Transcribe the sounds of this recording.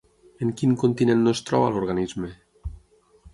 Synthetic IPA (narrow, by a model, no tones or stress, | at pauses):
eŋkiŋkont̪inenːost̪ɾɔ̰βaloɾɣanizme